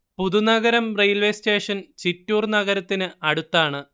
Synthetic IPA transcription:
puðunɐɣɐɾɐmrejlʋeːste̞ːʂɐnt͡ɕitːuːrnɐɣɐɾɐt̪ːinɨɐɽut̪ːaːɳɨ

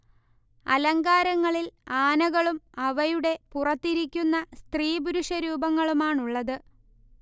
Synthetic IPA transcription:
ɐ̰lɐŋɡaːɾɐŋːɐɭilaːnɐɣɐɭumɐʋɐjuɽe̞purɐt̪ːiɾikʲːunːɐst̪riːbuɾuʂɐɾuːbɐŋːɐɭumaːɳuɭːɐðɨ

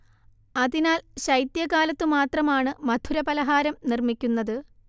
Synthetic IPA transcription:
ɐðinaːlɕɐjt̪jɐkaːlɐt̪ːɨmaːt̪rɐmaːɳɨmɐd̪ʱuɾɐpɐlɐɦaːɾɐmnirmikʲːunːɐðɨ

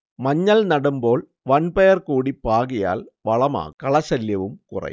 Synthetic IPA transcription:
mɐɲːɐlnɐɽumbo̞ːɭ | ʋɐnpejɐrkuːɽipaːɣija̰ːlʋɐɭɐma̰ːkɐɭɐsɐljɐʋɯmkʊrɐ̰j

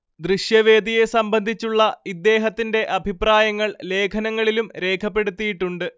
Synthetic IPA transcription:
d̪riɕjɐʋe̞ːd̪ije̞sɐmbɐnd̪ʱit͡ɕːuɭːɐid̪ːe̞ːɦɐt̪ːinde̞ʔɐbʱipraːjɐŋːɐɭle̞ːkʰɐnɐŋːɐɭilumɾe̞ːkʰɐpːe̞ɽut̪ːijiʈːuɳɖɨ

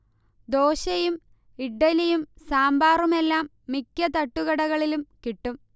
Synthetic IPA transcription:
d̪o̞ːɕɐjum | iɖːɐlɐjumsaːmbaːrumelːaːmːikʲːɐt̪ɐʈːuɣɐɽɐɣɐɭilumkiʈːum

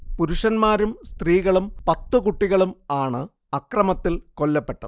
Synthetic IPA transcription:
puɾuʂɐnmaːɾumst̪riːɣɐɭumpɐt̪ːukuʈːiɣɐɭumaːɳɨ | ɐkrɐmɐt̪ːilko̞lːɐpːe̞ʈːɐðɨ

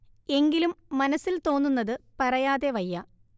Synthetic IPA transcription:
e̞ŋɡilumːɐnɐsːilt̪o̞ːnːunːɐðɨpɐrɐjaːðe̞ʋɐjːɐ

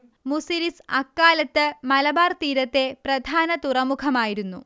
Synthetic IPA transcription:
musiɾisɐkːaːlɐt̪ːɨmɐlɐbaːrt̪iːɾɐt̪ːe̞prɐd̪ʱaːnɐt̪urɐmukʰɐmaːjiɾunːṵ

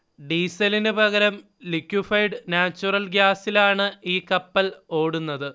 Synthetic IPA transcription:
ɖiːsɐlinɨbɐɣɐɾɐm | likːjufɐjɖnaːt͡ɕːurɐlɡjaːsilaːɳɨiːkɐpːɐlo̞ːɽunːɐðɨ

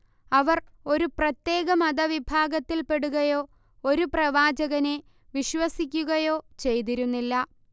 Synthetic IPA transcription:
ɐʋɐr | o̞ɾuprɐt̪je̞ːɣɐmɐd̪ɐʋibʱaːɡɐt̪ːilpe̞ɽuɣɐjo̞ː | o̞ɾuprɐʋaːd͡ʑɐɣɐne̞ | ʋiɕʋɐsikʲːuɣɐjo̞ːt͡ɕe̞jt̪̬iɾunːilːɐ

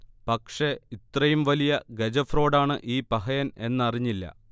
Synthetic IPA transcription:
pɐkʂe̞it̪rɐjumʋɐlijɐɡed͡ʑɐfro̞ːɽaːɳɨʔiːpɐɦɐjɐne̞nːɐriɲːilːɐ̰

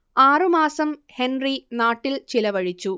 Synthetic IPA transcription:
aːrɨmaːsɐmhenrinaːʈːilt͡ɕilɐʋɐɻit͡ɕːu

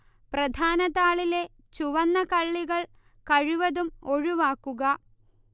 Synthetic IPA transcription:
prɐd̪ʱaːnɐðaːɭile̞ | t͡ɕuʋɐnːɐkɐɭːiɣɐɭ | kɐɻuʋɐðumo̞ɻuʋaːkːuɣɐ

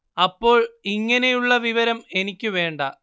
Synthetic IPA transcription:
ɐpːo̞ːɭiŋːɐne̞juɭːɐʋiʋɐɾɐme̞nikʲːɨʋe̞ːɳɖɐ

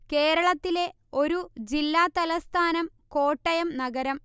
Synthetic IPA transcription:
ke̞ːɾɐɭɐt̪ːile̞ | o̞ɾud͡ʑilːaːt̪ɐlɐst̪ʰaːnɐm | ko̞ːʈːɐjɐmnɐɡɐɾɐm

